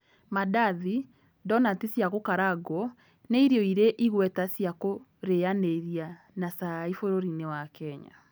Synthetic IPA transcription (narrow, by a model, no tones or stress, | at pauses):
madaði | dɔnatisjaɣokaɾaɡwɔ | neiɾiɔiɾeʔiɣwɛtasjako | ɾeaneɾia | nasaifoɾoɾinewakɛɲa̰